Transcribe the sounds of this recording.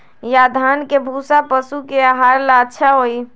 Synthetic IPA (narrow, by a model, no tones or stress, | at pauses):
jad̪ʱankebʱuːsapəsukeaɦaːɾlaətːʃʰaɦoi